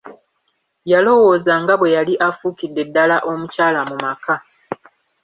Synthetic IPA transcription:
jalo̞wo̞ːzaŋɡaβwe̞jaliʔafuːkidːe̞dːalaʔo̞mucaːlamumaka

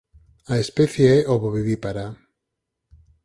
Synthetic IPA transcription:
aespeθjeɛʔoβoβiβipaɾa

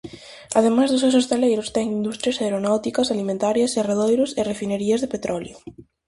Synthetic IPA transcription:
aðemazðʊs̬ewsest̪alejɾʊst̪ɛŋind̪ust̪ɾjɐsaeɾonawt̪ikɐsalimẽnt̪aɾjɐsereðojɾʊserefineɾiɐzðepet̪ɾʔɔljʊ

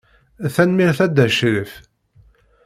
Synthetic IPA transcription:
θænmiʁθæd̪æʃɾəf

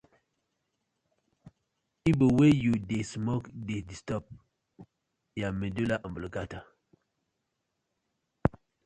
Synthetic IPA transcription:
ibəwejudesmokdedistɔp̚ | jamedulaʔəmbələɡata

